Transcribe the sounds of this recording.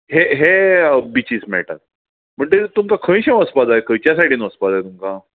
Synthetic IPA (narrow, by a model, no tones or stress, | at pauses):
ɦeɦebit͡ɕiːsmɛ̰ʈa̰t̪̚ | m̤əɳd͡ʑet̪umkakʰə̃jɕẽəspad̪ajekʰəjt͡ɕjasaʈʰiːnʋəspad̪ajt̪umka